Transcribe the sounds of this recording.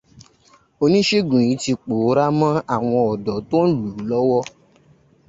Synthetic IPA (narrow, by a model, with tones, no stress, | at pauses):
o˧nĩ˦ʃe˦ɡũ˨ĩ˨˦ti˧k͡po˨˦ɾa˦mã˦a˦˨w̃ɔ̃˧ɔ˨dɔ˨˦to˦n̩˦luː˨˦lɔ˦wɔ˦